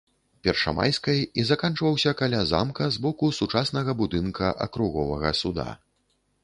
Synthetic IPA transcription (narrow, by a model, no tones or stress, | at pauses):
pʲɛrʂɐ̰ma̰jskɐjizakant͡ʂvɐwsʲɐkalʲaza̰mkɐzbɔkusut͡ʂasnɐɣɐbud̪ɨnkʰɐʔɐ̰kɾuɣɔvɐɣɐsud̪a̰